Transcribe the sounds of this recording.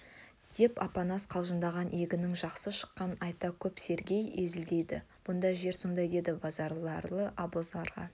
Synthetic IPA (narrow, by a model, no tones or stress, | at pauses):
d̪̥e̞pɑ̰pɑnɑsqʰɑlˠʒənd̪ɑʁɑnʔeɡʲɪnɪŋʒɑqsəʃə̥qːɑnɑjt̪ɑkʲʰɵpse̞ɾɡʲe̞jezɪld̪e̞jd̪ɪ̰b̥ʊnd̪ɑʒe̞ɾso̞nd̪ɑjd̪e̞d̪ɪbɑzɑɾlˠɑɾlˠəʔɑbəlˠzɑɾʁɑ̰